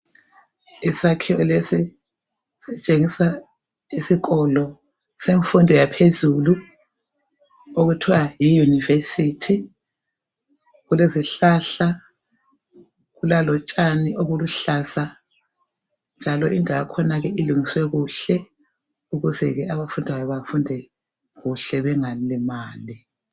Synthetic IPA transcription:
isakʰɛwɔlesi | z̥it͡ʃʼeŋisa | isiɣɔlɔ | seɱfundʱɔjapʰezulu | oɣutʰiwajijunivesitʰi | ɣuleziɬaːɬa | ɣulalɔt͡ʃʼaniʔoβuluɬasa | nd͡ʒʱalɔʔindʱaβakʰɔnaɣɛiluŋiswɛɣuɬɛ | uɣuzɛɣɛaβafundʱajaβafundʱɛ | ɣuɬɛβɛŋalimaːli

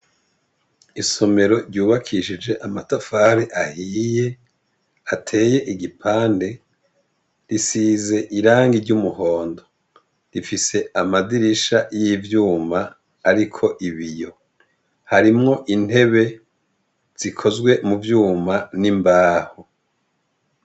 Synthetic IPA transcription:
iso̞me̞ɾo̞ɾɟuːβakʰiʃid͡ʒe̞ʔamatafaɾeʔahiːje̞ | atʰe̞ːje̞ʔiɡipʰaːnde̞ | ɾisiːze̞ʔiɾaːŋɡiɾɟumuho̞ːndo | ɾifise̞ʔamadiɾiʃajivjuːmaː | ɾikʰo̞ʔiβijo̞ | haɾimŋo̞ʔin̥he̞βe̞ | z̥ikʰo̞zɡwe̞muvjuːmanimbaːho

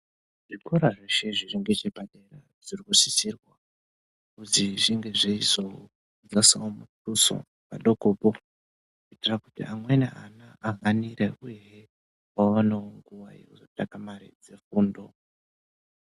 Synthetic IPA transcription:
ʐikoɾaʐeʃeʐiriŋɡe̞t͡ʃebaɗera | ʐ̥irikusit͡ʃirwa | kutiʐiŋɡe̞ʐeizo | d͡zasaomutuso̰ | pa̰ɗo̞koːpo | kuitirakutḭʔamwenḛʔanaʔaɦaniɾeujee | waʋanaoŋɡuʋajekuzotakamaɾḭd͡ze̞fuːndo̞

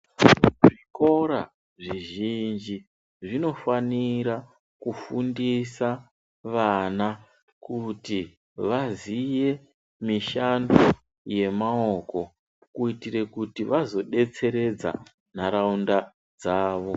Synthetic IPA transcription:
ʐiko̞ɾa̰ | ʐiʒind͡ʒi | ʐino̞faniɾa | kufundisa | ʋana | kuti | ʋazije̞ | miʃando | je̞maoko̞ | kuitire̞kutiʋazo̞ɗe̞t͡se̞ɾe̞d͡za̰ | naɾaunda | d͡zaːʋo̞

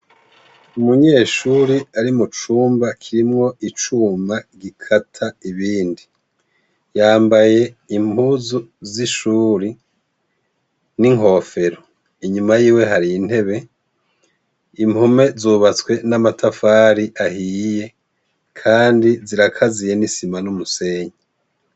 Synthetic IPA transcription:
umuɲe̞ːʃuːɾiaɾimut͡ʃuːmbakʰiɾimŋo̞it͡ʃuːmaɡikʰatʰaiβiːndi | jaːmbaje̞imuzuziʃuːɾi | niŋo̞ːfe̞ɾo | iɲumajiːwe̞ɦaɾiin̥he̞βe̞ | imume̞zuβat͡swe̞namatʰafaːɾiʔahije̞ | kʰaːndiziɾakʰazije̞nisimanumuse̞ːɲe

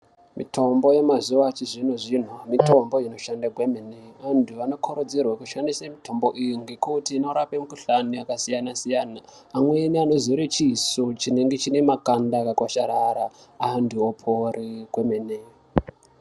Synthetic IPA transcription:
mitʰo̞mbo̞je̞mazuʋat͡ʃiʐinoʐin̤umito̞mbo̞ino̞ʃandaɡwemeneʋandʰuʋano̞kʰoɾod͡zirwakuʃandisamitʰo̞mbo̞ʔijiŋɡekutiːno̞ɾapemukuɬaniakasijanasijanaː | mwe̞niano̞ziɾet͡ʃisot͡ʃine̞ŋɡe̞t͡ʃine̞makandakakwaʃaɾaɾaː | nduopʰoriɡwemene

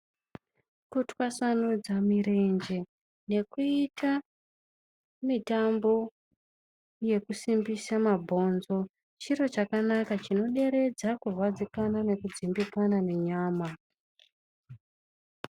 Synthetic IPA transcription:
kutwasanud͡zamiɾe̞nd͡ʒe̞ | ne̞kuitʰa | mitambo̞ | je̞kusimbisamabʱo̞nzo̞ | t͡ʃiro̞t͡ʃakanakat͡ʃino̞ɗe̞ɾe̞d͡zakurwad͡zikanane̞kud͡zimbikanane̞ɲaːma

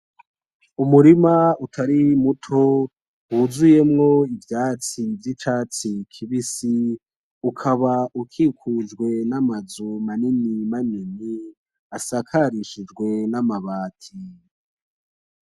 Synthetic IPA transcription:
umuɾimautʰaɾimutʰo | huzuje̞mŋo̞ivjaːt͡sivjit͡ʃaːt͡sikʰiβisi | ukʰaβaukʰikʰud͡ʒɡwe̞namazumaninimanini | asakʰaɾiʃid͡ʒɡwe̞namaβaːtʰi

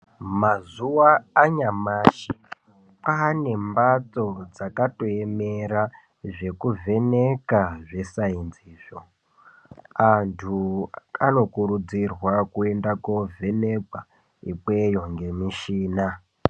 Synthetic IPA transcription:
mazuwaːɲamaːʃi | paːne̞mbat͡so̞d͡zakato̞e̞meɾa | ʐe̞kuvʱe̞ne̞kaʐe̞sainziːʐo | antʰuano̞kuɾud͡zirwakue̞ndakovʱe̞ne̞kwa | ipwe̞jo̞ŋɡe̞miʃiːna

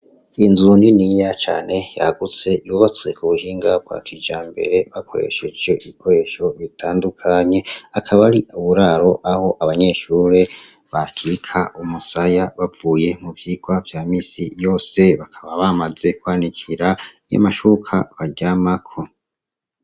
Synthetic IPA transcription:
inzuninijat͡ʃa̰ːne̞ja̰ɡut͡se̞iuβat͡swe̞kuβuhiːŋɡab̚ɡwa̰kid͡ʒaːmbe̞̰ɾe̞βakʰo̞ɾe̞̰ʃe̞d͡ʒjo̞ʔiβikʰo̞ɾe̞ʃo̞βitʰaːndukʰaɲe̞akʰaβaɾiʔuβuɾaɾo̞ʔaho̞ʔaβaɲe̞ʃuːɾe̞ | βakʰikʰaʔumusajaβavuːje̞muvjiːɡ̥wavjaːmiːsijo̞ːse̞βakʰaβaβamaze̞kwaːnikʰiɾaja̰maʃukʰaβaɟamakʰo̞

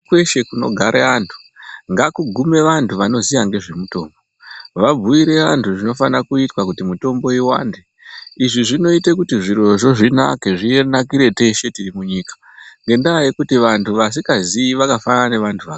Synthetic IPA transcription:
kwe̞ʃe̞kuno̞̰ɡʱaɾeantʰu̥ | ŋɡakuɡʱume̞ʋantʰuʋano̞zijaŋɡe̞ʐe̞muto̞̰ːmbo̞ | ʋab͡vuiɾe̞antʰuʐino̞fanrakuitwakutimuto̞mbo̞iwa̰ːnde | iʐiʐino̞itekutiʐiɾo̞ʐo̞ʐina̰ke̞ʐie̞nakiɾe̞te̞ʃe̞tirimuɲiːkḁ | ŋɡe̞ndaaje̞kutiʋantʰuʋas̬ikaziiʋakafanane̞ʋantʰuʋak

